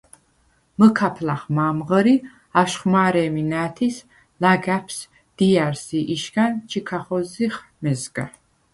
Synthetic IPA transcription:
məkʰapʰlaχmaːmʁəɾi | aʃχmaːɾɛːminæːt̪ʰis | laɡæpʰs | d̪̥ijaɾsiʔiʃɡant͡ʃʰikʰaχɔziχ | mɛzɡa̰

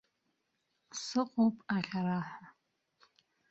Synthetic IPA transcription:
sɨqʼopʼaɬaɾaːħʷa

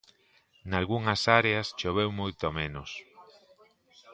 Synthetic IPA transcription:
nalɣuŋɐsaɾeast͡ʃoβ̞ewmojt̪omenos

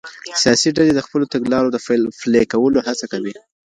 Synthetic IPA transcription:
sijɑsiɖaled̪əxpəlot̪aɡlɑɾod̪əfflekawəlohat͡sakawi

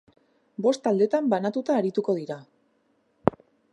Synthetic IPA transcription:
bo̞st̪ald̪e̞t̪ambanat̪ut̪aːɾit̪uko̞ð̞iɾa

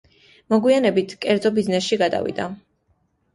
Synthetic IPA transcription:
mɔɡwianɛbit̪ʰkʼɛɾd̪zɔbiznɛsʃiɡad̪a̰vḭd̪a

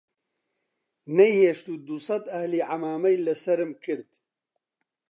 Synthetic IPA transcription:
nɐjheːʃt̪uːd̪usɑd̪ɐhliːʕamaːmɐjlɨsɐɾɨmkʰɨɾd̪

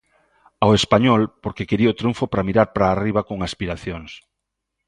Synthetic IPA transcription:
awespaɲɔlpoɾkekeɾiot̪ɾuɱfopɾamiɾaɾpɾaːriβakoŋaspiɾaθjoŋs

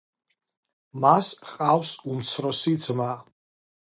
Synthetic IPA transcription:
masqʼawsumt͡sʰɾɔsit͡sʰma

